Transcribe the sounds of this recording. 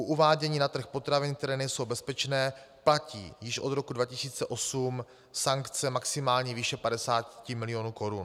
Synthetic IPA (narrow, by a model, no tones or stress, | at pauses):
ʔoʔuvaːɟɛɲiːnat̪r̩xpo̞t̪ɾavɪnk̚t̪ɛɾɛːnɛjso̞wbɛspɛt͡ʃnɛː | placḭːjɪʃʔo̞d̪ɾo̞kudvacɪsiːt͡sɛʔo̞sum | saŋkt͡sɛmaksɪmaːlɲiːviːʃɛpadɛsaːtcɪmɪlɪjo̞nuːko̞ɾun